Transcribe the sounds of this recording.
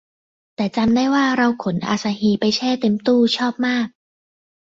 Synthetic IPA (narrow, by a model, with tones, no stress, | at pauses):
t̪ɛː˨˩t͡ɕa˧mdaː˥˩jwaː˥˩ɾa˧wkʰo˩˦nʔa̰ː˧˩sa˧ɦiː˧pa˧jt͡ɕʰɛː˥˩t̪e˧mt̪uː˥˩t͡ɕʰɔː˥˩p̚maː˥˩k̚